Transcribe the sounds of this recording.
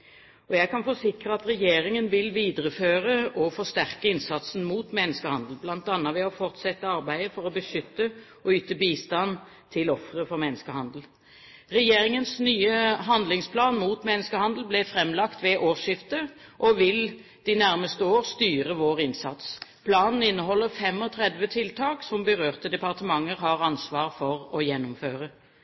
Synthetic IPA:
ɔjæɡkɑnfɔsɪkʁəɑt̪ɾɛjeːʁɪŋənʋɪlʋiːd̪əɾəføːʁəʔɔfɔʁst̪æʁkəɪnsɑt̪sn̩muːt̪mɛnːəskəhɑnd̪l̩blɑnt̪ɑnːəʋɛɔfɔʁt̪sɛt̪ːəɑʁbæɪd̪əfɔʁɔbəʃʏt̪ːə | ɔyːt̪əbiːst̪ɑn | t̪ʰɪlɔfʁəfɔʁmɛnːəskəhɑnd̪l̩ | ʁɛjeːɾɪŋənsnyːəɦɑnd̪lɪŋspʰlɑːnmuːt̪mɛnːəskəhɑnd̪l̩blɛfʁɛmlɑkt̪ʋɛʔoːʃɪft̪ə | ʔɔʋɪl | d̪̥ɪnæʁməst̪əoːʁst̪yːʁəʋoːʁɪnsɑt̪spʰlɑːnn̩ɪnːəɦɔlːəʁfɛmɔt̪ʰʁɛd̪ʋət̪ʰɪlt̪ʰɑːksɔmbəʁøːʁt̪əd̪ɛpɑʁt̪əmɑŋːəɾɦɑʁɑnsʋɑːʁfɔʁɔjɛnːʊmføːʁə

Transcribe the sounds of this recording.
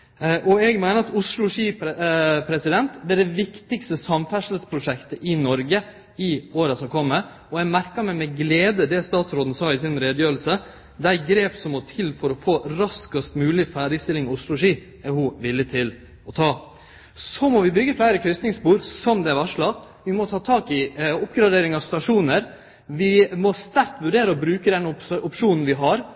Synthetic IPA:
ʔɔɛɡmæɪnəɾɑt̪ʊslʊʂiːppʰɾɛsɪd̪ɛnt̪d̪æɖ̪ɛʋɪkt̪ɪkst̪əsɑmfæʂl̩spʰɾʊʂɛkt̪əʔɪnɔɾɡə | ɪoːɾəsɔmkʰɔmːəɾ | ɔɛmæɾkɑmɛmɛɡleːd̪əd̪ɛst̪ɑːt̪sɾoːd̪n̩sɑːɪsɪnɾeːd̪jøːɾl̩sə | d̪æɪɡɾeːpsɔmɔt̪ʰɪlfɔɾɔfoːɾɑskəst̪mʉːlɪfæːɖɪst̪ɪlɪŋɪʊslʊʂiː | æɾhʊʋɪlːɪt̪ʰɪl | ɔt̪ʰɑː | sɔmɔʋɪbʏɡəflæɪɾəkʰɾʏst̪nɪŋsbuːɾsɔmd̪ɛæɾʋɑʂɭɑt̪ | ʋɪmɔt̪ʰɑːt̪ʰɑːkɪʊpɡɾɑd̪eːɾɪŋɑʋst̪ɑʂuːnəɾ | ʋɪmɔst̪æɾt̪ʋʉɖeːɾəɔbɾʉːkəd̪ɛnʊpʂuːnn̩ʋɪɦɑɾ

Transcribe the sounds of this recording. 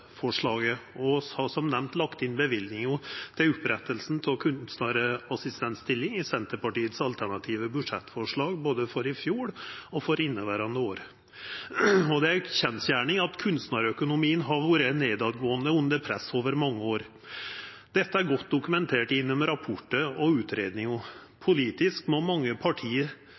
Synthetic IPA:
fɔʂɭɑːɡəɔhɑsɔmnɛmnt̪lɑkt̪ɪnbəʋɪld̪nɪŋjʊt̪ʰɪlʊpɾɛt̪ːəlsn̩t̪ʰɛkʰʉnsnɑɾəɑsɪst̪ɛnt̪st̪ɪlːɪŋɪsɛnt̪əɾpɑʈiːət̪sɑlt̪ʰæɳɑt̪ʰiːʋəbʉʂɛt̪ːfɔʂɭɑːɡboːd̪əfɔɾɪfjuːɽɔfɔɾɪnːəʋæɾɑnɾəoːɾə | ɔd̪ɛæɾçɛnsjæːɳɪŋɑt̪kʰʉnsnɑɾœkʊnʊmiːənɦɑɾʋuːɾəneːd̪ɑd̪ɡoːənd̪əʉnd̪əɾpʰɾɛsoːʋəɾmɑŋːəoːɾ | d̪̥ɛt̪ːəæɾɡɔt̪̚ːd̪ʊkʉmɛnt̪ʰeːʈɪnːɔmɾɑpʰɔʈːəɔʉːt̪ʰɾeːd̪nɪŋɔ | pʰʊliːt̪ɪskmɔmɑŋːəpʰɑʈʰiːəɾ

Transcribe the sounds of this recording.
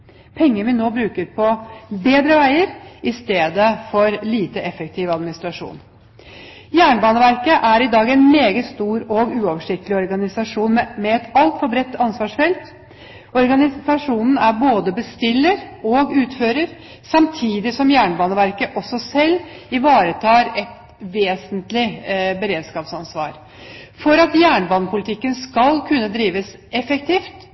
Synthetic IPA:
pʰɛŋːəʋɪnoːbɾʉːkəɾpʰɔbeːd̪ɾəʋæɪəɾɪst̪eːd̪əfɔɾliːt̪əʔɛfək̚t̪ʰɪːʋɑd̪mɪnɪst̪ɾɑʂṵːn | jæːɳbɑːnəʋæɾkəʔæɾɪd̪ɑːɡɛnmeːɡət̪st̪uːɾɔɡʉːɔʋəʂɪk̚t̪əlɪɔɾɡɑnɪsɑʂuːnmɛɛt̪ɑlt̪fɔɾbɾɛt̪ːɑnsʋɑːʂfɛlt̪ | ɔɾɡɑnɪsɑʂuːnn̩æɾboːd̪əbəst̪ɪlːəɾɔɡʉːt̪føːɾəɾ | sɑmt̪ʰiːd̪ɪsɔmjæːɳəbɑːnəʋæɾkəʔɔsːɔsɛlːɪʋɑːɾət̪ʰɑːɾɛt̪ | ʋeːsənt̪lɪbəɾeːd̪skɑːpsɑnsʋɑ̰ːɾ | fɔɾɑt̪jæːɳəbɑːnəpʰʊlɪt̪ʰɪkːənskɑlkʰʉnːəd̪ɾiːʋəsɛfɛk̚t̪ʰiːft̪

